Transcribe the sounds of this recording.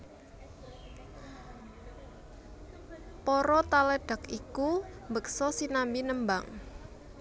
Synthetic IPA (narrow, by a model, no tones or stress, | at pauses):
pɔɾɔt̪alɛɖ̥a̤kikumbək̚sɔsinambinəmbaŋ